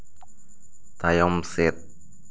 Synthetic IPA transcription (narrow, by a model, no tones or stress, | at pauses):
t̪ajɔmsɪt̪̚